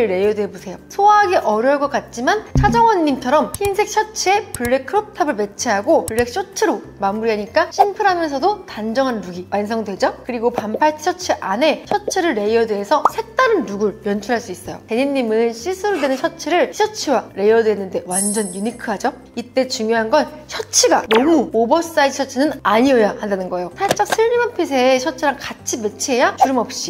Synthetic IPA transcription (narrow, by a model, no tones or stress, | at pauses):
ɾe̞iodwe̞busʰe̞josʰoaaɡe̞ʔʌɾjʌɭk͈ʌk͈at̚t͡ɕ͈imant͡ɕʰad͡ʑʌŋwʌnːimt͡ɕʰʌɾʌminsʰe̞k̚ɕʰʌt͡ɕʰie̞puɭːe̞kʰːɯɾop̚tʰabɯɭme̞t͡ɕʰeɦaɡouɭːe̞k̚ɕ͈ot͡ɕʰɯɾomamuɾiɦaɲik͈aɕʰimpʰɯɾɦamjʌnsʰʌdotand͡ʑʌŋɦanːuɡiwʔansʰʌŋdwe̞d͡ʑʌkɯɾiɡopampʰaɭt͡ɕʰi̥ɕʰʌt͡ɕʰiʔane̞t͡ɕʰʌt͡ɕʰiɾɯɭːe̞iʌdweːsʰʌsʰe̞k̚t͈aɾɯnːuɡɯɭjʌnt͡ɕʰuɾɦaɭs͈uis͈ʌjo̰teɲinːimɯnɕʰis͈ʰɯɾodwe̞nɯnɕʰʌt͡ɕʰiɾɯɭɕʰʌt͡ɕʰiwaɾe̞iʌdwenːɯnde̞wand͡ʑʌnjuɲikʰɯɦad͡ʑo | it͈e̞t͡ɕuŋjoɦanɡʌn | ɕʰʌt͡ɕʰiɡanʌmuobʌs͈aid͡ʑiɕʰʌt͡ɕʰinɯnaɲiʌjahandanɯnɡʌejosʰaɭt͡ɕ͈ak̚sʰɯɭɲimanpʰis̬ʰeɕʰʌt͡ɕʰiɾaŋkat͡ɕʰime̞t͡ɕʰiɦe̞jat͡ɕuɾɯmʌp̚ɕ͈i